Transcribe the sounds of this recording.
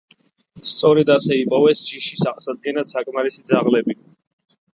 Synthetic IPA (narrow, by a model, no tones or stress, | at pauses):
st̪sʼɔɾɛd̪asɛipʼɔvɛst͡ʃʰʼiʃisaχsad̪̚ɡɛnat̪sakʼmaɾisid̪zaʁlɛbi